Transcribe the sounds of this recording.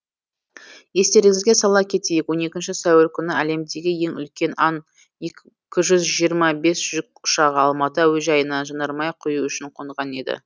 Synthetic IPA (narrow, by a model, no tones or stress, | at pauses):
je̞st̪e̞ɾɪŋʲɪzɡʲe̞sɑlˠɑkʲʰe̞t̪e̞jɪkwo̞ne̞kʲɪnʃɪsæwelkʲʰʏnɪæle̞md̪e̞ɡʲɪje̞ŋʏ̰lkʲe̞nɑn | e | kʲɪʒʏzʒijəɾmɑbe̞sʒ̥ʏk̚ʊ̥ʃɑʁəɑlˠmɑt̪əwɵzʒɑjənɑʒənəɾmɑjqʰʊjuʏʃɪɴqʰo̞nəʁɑne̞d̪ɪ̰